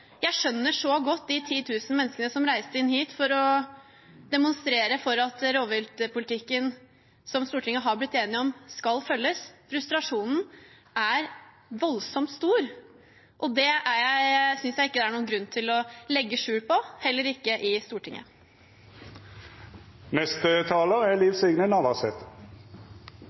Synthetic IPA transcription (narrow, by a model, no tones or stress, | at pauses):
jæɪʂœnːəʂɔɡɔt̪ːd̪ɪt̪ʰiːt̪ʰʉːsən̩mɛnːəskənəsɔmɾæɪst̪əɪnhiːt̪fɔɾɔ | d̪ɛmʊnst̪ɾeːɾəfɔɾɑt̪ɾoːʋɪlt̪əpʊlɪt̪ʰɪkːən | sɔmst̪uːʈʰɪŋːəɦɑɾblɪt̪ːeːnɪɔmskɑlfœlːəsfɾʉst̪ɾɑʂuːnn̩ | æɾ | ʋɔlsɔmt̪st̪uːɾ | ʔɔd̪ɛæɾjæɪsʏnsjæɪɪkːəd̪ɛæɳuːnɡɾʉnːt̪ʰɪlɔlɛɡːəʂʉːɽpʰɔhɛlːəɾɪkːəʔɪst̪uːʈʰɪŋʔə̰ | nɛst̪ət̪ʰɑːləæliːʋsʏɡnənɑʋɑsɛt̪